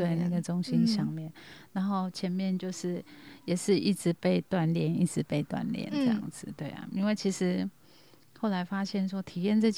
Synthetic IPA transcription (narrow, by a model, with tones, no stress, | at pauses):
we˥˧ɪna˥˩ɡə˩ʈ͡ʂʊ˥ŋɕi˥nɕjɑ˥˧ŋmjɛ˥˨nna˧˦nxo˥˩ʊt͡ɕʰjɛ˧˦˥nmjɛ˥˨nt͡ɕjo˥˧ʊʂɻ̩˥˩jɛ˨˩ʂɻ̩˥˧i˥˩ʈ͡ʂɻ̩˨˦pe˥˧ɪt̪wa˥˨nljɛ˥˩nḭ˥˩ʈ͡ʂɻ̩˨˦pe˥˧ɪt̪wa̰˥˧nljɛ̰˨˩nʈ͡ʂɤ˥˧jɑ̰˥˩ŋd͡zɹ̩˨˩t̪we˥˩ɪɐ̰˩i˥nwe˥˩ɪt͡ɕʰi˧˥ʂɻ̩˧˥ | xo˥˩ʊla˧˥ɪfa˥ɕjɛ˥˩nʂwɔ˥t̪ʰi˨˩jɛ˥˧nʈ͡ʂɤ˥˧t͡ɕ